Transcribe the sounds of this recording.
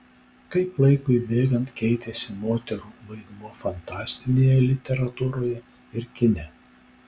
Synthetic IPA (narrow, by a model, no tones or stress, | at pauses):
kɐɪplˠɐɪkʊɪbʲeːɡɐnt̪kʲɛɪt̪ʲɛsʲɪmoːt̪ʲɛɾuːʋɐɪd̪muːfɐnt̪ɑːsʲt̪ʲɪnʲeːjɛlʲɪt̪ʲɛɾɐt̪uːɾoːjɛ | ɪɾkʲɪnʲɛ